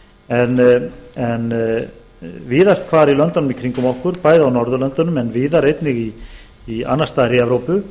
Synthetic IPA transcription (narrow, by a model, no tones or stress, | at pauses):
ɛnɛn | viːðast̪̚kʰvaːɾilœnt̪ɔnʏmikʰɾiŋkʏmɔhkʏɾpaːjðawnɔɾðʏlœnt̪ɔnʏmɛnviːðaɾejt̪nɪɣiː | a̰nːast̪aðɾiɛvɾowpʏ